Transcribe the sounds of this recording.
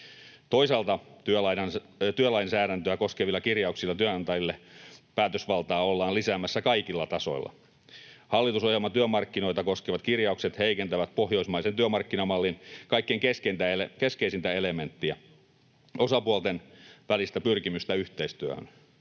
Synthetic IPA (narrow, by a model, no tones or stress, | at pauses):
t̪oisɑlt̪ɑt̪yølɑinɑn | t̪yølɑinsæːɾænt̪øækoskeʋilːˑɑkirjɑuksilːɑt̪yønɑnt̪ɑjilːepæːt̪øsʋɑlt̪ɑːolːɑːlisæːmːæsːækɑikilːɑt̪ɑso̞̰ilːɑ̰ | hɑlːit̪usohelmɑt̪yømɑrkːino̞it̪ɑkoskeʋɑt̪kirjɑukset̪heikent̪æʋæt̪̚pohjoismɑisent̪yømɑrkːinɑmɑlːinkɑikːeiŋkeskent̪æelekeskeisint̪æelement̪ːiæ | osɑpuolt̪enʋælist̪æpyrkimyst̪æyht̪eist̪yø̰hø̰n